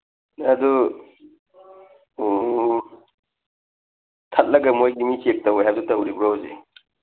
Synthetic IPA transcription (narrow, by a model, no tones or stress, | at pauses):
ɐdu | tʰɐt̚lɐɡɐmojɡimisek̚tɐwjɦabsutɐwɾibɾowzḛ